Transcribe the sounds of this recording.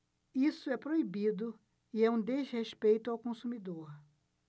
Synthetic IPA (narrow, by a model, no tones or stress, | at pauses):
isʊɛpɾoibid̪ʊ | iɛũd̪ezheʃpejt̪ʊawkõsumid̪oɾ